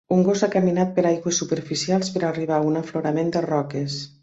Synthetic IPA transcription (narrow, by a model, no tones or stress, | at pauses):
uŋɡozakəminat̪̚pəɾajɣwəsːupəɾfisialˠspəɾariβ̞aunəfloɾamend̪ərɔkes